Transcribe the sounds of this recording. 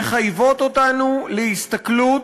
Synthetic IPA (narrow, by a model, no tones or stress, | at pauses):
χajvo̞t̪otanulehist̪aklut